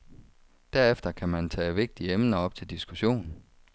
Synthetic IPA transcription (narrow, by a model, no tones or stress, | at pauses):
d̥æɐefd̥ɐkʰæmænt͡sʰɛ̰ːʋe̝ɡ̥̚d̥iəemnɐɒ̽b̥̚t͡sʰe̝ld̥isɡ̥uɕo̝̰ːn